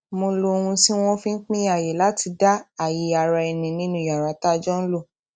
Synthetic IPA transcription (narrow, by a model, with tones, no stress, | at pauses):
mo˧lo˧ũ˧si˦w̃ɔ̃˦fĩ˦k͡pĩ˦a˦˨je˨la˦ti˧da˦a˨ji˨˦a˨ɾa˧ɛ˧˨nĩ˨nĩ˦nũ˦˨a˨ɾa˨ta˦d͡ʒɔ˦n̩˦lo˦˨